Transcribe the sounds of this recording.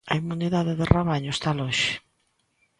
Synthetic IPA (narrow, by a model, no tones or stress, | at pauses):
ɐimuniðaðeðeraβaɲʊest̪alɔʃɪ̥